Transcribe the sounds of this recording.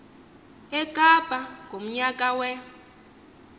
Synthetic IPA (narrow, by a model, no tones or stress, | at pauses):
ɛkʼab̥ʱaŋɡʱom̩ɲakʼawɛ